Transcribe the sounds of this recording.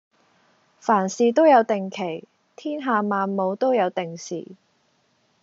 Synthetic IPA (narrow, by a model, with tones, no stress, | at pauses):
faː˨˩nsiː˨t̪o˥wjɐ˨˧wt̪ɪ˨ŋkʰe˨˩j | t̪ʰiː˥nɦaː˨˧maː˨nmo˨˧wt̪o˥wjɐ˨˧wt̪ɪ˨ŋsḭː˨˩